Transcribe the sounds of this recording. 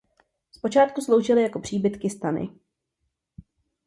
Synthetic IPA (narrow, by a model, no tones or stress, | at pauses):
spo̞t͡ʃaːt̪kuslo̞wʒɪlɪjako̞pr̝̥iːbɪt̪kɪst̪anɪ̰